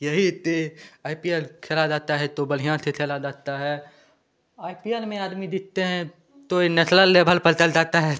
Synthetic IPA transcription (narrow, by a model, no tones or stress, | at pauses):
jɐɦit̪eaːipijeːlkʰelad͡ʒaːt̪aɦɛt̪obəl̤ijãset̪ʰeːlad͡ʒaːt̪aɦɛː | aːipiːelmẽaːd̪mid̪ɪk̚t̪eɦɛ̃ | t̪oenɛsləlːeːbʱəlpəlt͡ʃəld͡ʒaːt̪aɦɛ